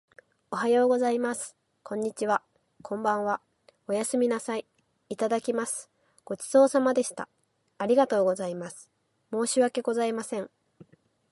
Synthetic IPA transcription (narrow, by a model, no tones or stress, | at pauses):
o̞ɦajo̞ːɡo̞zaimasɨ̥ | kõ̞ɲ̟ːit͡ɕiβa | kʰõ̞mbãɰ̃βa | o̞jasɨmʲinasaiː | t̪ad̪akʲimasɨ̥ | ɡ̥o̞t͡ɕi̥z̥o̞ːsamad̪e̞ɕi̥t̪a̰ | aɾʲiɡat̪o̞ːɡo̞zaimasɨ̥ | mo̞ːɕiβake̞ɡo̞zaimasẽ̞ŋ